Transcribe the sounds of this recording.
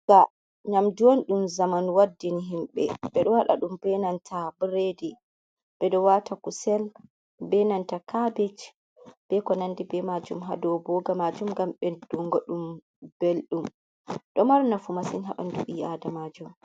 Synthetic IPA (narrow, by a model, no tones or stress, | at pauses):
ɡa | ɲamduwɔnɗumzamanwadːiniɦimɓɛ̰bɛɗɔwaɗa̰ɗumb̥ɛnantʰabɾedi | bɛɗɔwatakusɛl | bɛnantakabɛt͡ʃ | b̥ɛkɔnandibɛmad͡ʒumɦa̰dɔwbɔɡamad͡ʒumɡamɓɛd̥uŋɡɔɗum | b̥elɗum | ɗɔmaɾnafumasinɦaɓa̰nduʔiːadamad͡ʒum